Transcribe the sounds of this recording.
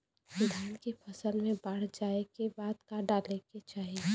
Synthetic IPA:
ɪd̪ʱaːnkepʰɐsəlmẽbəɽ̤d͡ʒaːekebaːd̪kaɖaːleket͡ʃaːɦie

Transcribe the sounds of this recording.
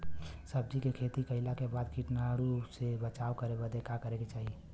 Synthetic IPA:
səb̚d͡ʒikekʰeːt̪ikəɪlakebaːd̪kiʈnaɽusebət͡ʃaːwkəɾebəd̪ekakəɾeket͡ʃaːɦie

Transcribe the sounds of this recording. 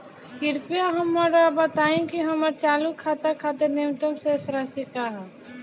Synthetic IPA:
ɪɾpijaɦɐmːɐɾabɐt̪aːẽkiɦɐməɾt͡ʃaːlukʰːaːt̪akʰaːt̪enemt̪əmsesɾasikaɦɛː

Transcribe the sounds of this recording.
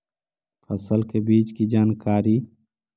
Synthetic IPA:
pʰəsəlkebiːt͡ʃkid͡ʒaːnkaːɾiː

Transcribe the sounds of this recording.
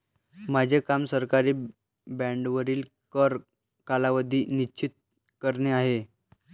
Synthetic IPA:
mad͡ʑʱekamsəɾkaɾiː | bɛ̃ɳɖʋəɾiːl | kəɾ | kalaʋəd̪ʱiːnit͡ɕit̪̚ | kəɾɳeaɦe

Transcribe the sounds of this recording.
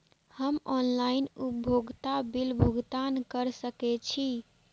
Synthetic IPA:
həmɔnlainubʱoɡt̪abilbʱoɡt̪ankəɾsəkɛt͡ʃʰi

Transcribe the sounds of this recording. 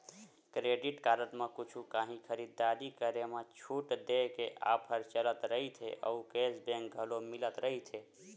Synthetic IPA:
kɾeɖiʈkaɾəʈmekut͡ʃʰukãɦĩkʰəɾid̪ːaɾikəɾemet͡ʃʰuʈd̪ekeʔa̰pʰəɾt͡ʃələt̪ɾəɦit̪ʰeʔə̰ukesbẽŋk̚ɡʱəlomilət̪ɾəɦit̪ʰe

